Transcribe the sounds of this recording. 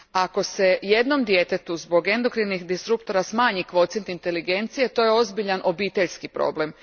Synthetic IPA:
ako̞se̞je̞d̪no̞md̪je̞t̪e̞t̪uzbo̞ɡe̞nd̪o̞kɾinixd̪isɾup̚t̪oɾasmaːɲikʋo̞t̪sjent̪int̪e̞liɡe̞nt̪sije̞t̪o̞je̞o̞zbiʎanʔo̞biːt̪e̞ʎʲskipɾo̞̰ble̞m

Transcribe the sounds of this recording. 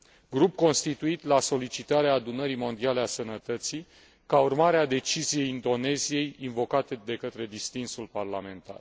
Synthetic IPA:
ɡɾup̚ko̞nst̪it̪uit̪laso̞lit͡ʃit̪aɾeaːd̪unəɾimo̞nd̪ialeasənət̪ət̪si | kaurmaɾead̪e̞t͡ʃizije̞jind̪o̞ne̞zije̞jinvo̞kat̪ed̪e̞kət̪ɾe̞d̪ist̪insulparlame̞nt̪a̰r

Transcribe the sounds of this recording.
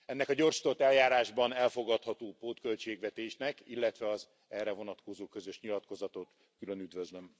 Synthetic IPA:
ɛnːɛkɒɟo̞rʃi̥t̪ot̪ːɛljaːɾaːʒbɒnɛlfo̞ɡɒt̪hɒt̪oːpoːt̪kølt͡ʃeːɡʋɛt̪eːʃnɛkilːɛt̪ʋɛɒz | ɛrɛvo̞nɒt̪ko̞zoːkø̞zø̞ʃɲilɒt̪ko̞zɒt̪ot̪ | kylønyd̪vøzløm

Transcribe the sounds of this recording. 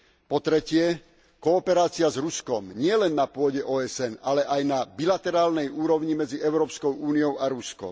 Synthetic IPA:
pɔt̪ɾɛcɪɛ | kɔːpɛɾaːt͡siazɾuskɔmɲɪɛlɛnːapʊɔɟɛʔɔːɛsɛnalɛʔajnabilat̪ɛɾaːlnɛjuːɾɔʊɲimɛd͡ziɛʊɾɔːpskɔʊuːniɔʊaɾuskɔ̰m

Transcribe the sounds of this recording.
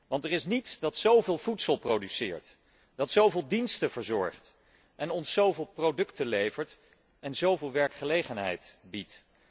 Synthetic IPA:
ʋɑntɛrɪsnitsdɑtsowvɪːlˠvutsəlˠprowdysɪ̰ːɹt | d̥ɑtsowvɪːlˠdinstəvəɹzɔ̰ɹχt | ʔɛnɔnsːowvɪːlˠprowdɵktəlejvəɹt | ɛnzowvɪːlˠʋɛɹkχəlejχənɦɛ̰jtbit

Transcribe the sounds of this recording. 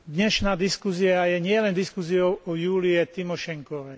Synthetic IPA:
d̪ɲɛʃnaːd̪iskusiajɛɲɪɛlɛnd̪iskusiɔʊɔjuːliɛt̪imɔʃɛŋkɔʋɛ

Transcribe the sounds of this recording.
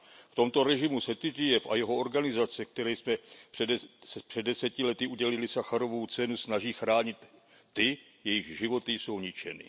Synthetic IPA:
ft̪o̞mt̪o̞ɾɛʒɪmusɛt̪ɪt̪ɪjɛfʔa̰jɛɦo̞o̞ɾɡanɪzat͡sɛk̚t̪ɛɾɛjsmɛ̥ | spr̥ɛdːɛsɛcɪlɛt̪ɪʔuɟɛlɪlɪsaxaɾo̞vowt͡sɛnusnaʒiːxɾaːɲɪt̪ː | ɪ | jɛjɪɣʒɪvo̞t̪ɪso̞wɲɪt͡ʃɛ̰nɪ̰

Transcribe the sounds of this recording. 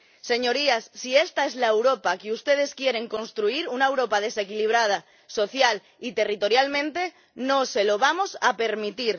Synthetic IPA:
se̞ɲo̞ɾiasːiest̪ae̞zlaewɾo̞pakeust̪e̞ð̞e̞skje̞ɾe̞ŋko̞nst̪ɾuiɾunaewɾo̞pað̞e̞se̞kiliβ̞ɾað̞a | so̞θjal | it̪e̞rit̪o̞ɾjalmẽnt̪e̞ | nõse̞lo̞β̞amo̞sape̞ɾmit̪iɾ

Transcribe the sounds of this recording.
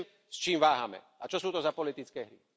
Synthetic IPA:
m | st͡ʃiːmʋaːɦamɛ̰ | at͡ʃɔsuːt̪ɔzapɔlit̪it͡skɛːɦɾi

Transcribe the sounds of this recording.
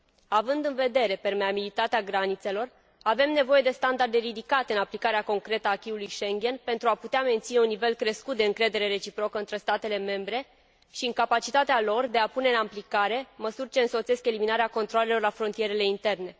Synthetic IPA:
avɨnd̪ɨnve̞d̪e̞ɾe̞pe̞rmeabilit̪at̪eaɡɾanit̪se̞lo̞r | ave̞mne̞vo̞je̞d̪e̞st̪and̪ard̪e̞ɾid̪ikat̪eɨnaplikaɾeako̞ŋkɾe̞t̪əaːkʲiulujʃe̞ŋɡʲe̞npe̞nt̪ɾuaput̪eame̞nt̪sineunːive̞lkɾe̞skut̪̚d̪e̞ɨŋkɾe̞d̪e̞ɾe̞ɾe̞t͡ʃipɾo̞kəɨnt̪ɾe̞st̪at̪e̞le̞me̞mbɾe̞ | ʃiɨŋkapat͡ʃit̪at̪ealo̞rd̪e̞apune̞ɨnamplikaɾe̞məsurʲt͡ʃe̞ɨnso̞t̪se̞ske̞liminaɾeako̞nt̪ɾoale̞lo̞rlafɾo̞nt̪ije̞ɾe̞le̞int̪e̞rne̞

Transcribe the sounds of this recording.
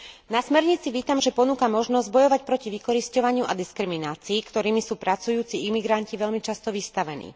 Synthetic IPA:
nasmɛɾɲit͡siʋiːt̪amʒɛpɔnuːkamɔʒnɔzɟ̚bɔjɔʋacpɾɔciʋikɔɾiscɔʋaɲɪuʔad̪iskɾiminaːt͡siːkt̪ɔɾiːmisuːpɾat͡sujuːt͡siimiɡɾanciʋɛʎmit͡ʃast̪ɔʋist̪aʋɛnḭː

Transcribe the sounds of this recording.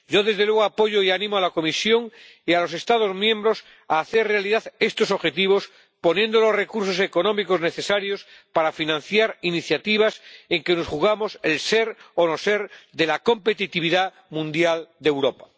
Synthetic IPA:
ɟ͡ʝo̞ðe̞zðelwe̞ɣoapo̞ʝoianĩmoalako̞misjo̞ŋ | ialo̞s̬e̞st̪að̞o̞zmjẽmbɾo̞s | aːθeɾrealiðaðe̞st̪o̞so̞βxe̞t̪iβ̞o̞s | po̞nje̞nd̪olo̞sre̞kuɾs̬o̞se̞ko̞nõ̞miko̞zne̞θe̞saɾjo̞spaɾafinãn̟θjaɾiniθjat̪iβ̞ase̞ŋkeno̞sxuɣ̞amo̞selseɾono̞se̞ɾðe̞lako̞mpet̪it̪iβiða | mũnd̪jald̪ewɾopḁ

